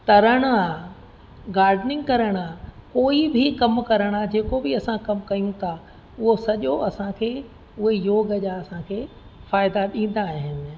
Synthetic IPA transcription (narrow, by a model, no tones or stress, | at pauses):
t̪ɐɾəɽ̃ʊaː | ɡaːɾɖnɪ̃ŋɡkɐɾəɽ̃aːkoːibʱɪkɐmkɐɾəɽ̃aːd͡ʑeːkobɪɐsãkɐmkɐijũt̪ʰa | ʊɦosɐʄoʔɐsãkʰeː | ʊɦejoːɡəʄaːɐsãkʰeː | faːɪd̪aɗĩːn̆d̪aːɦɪnɪ̆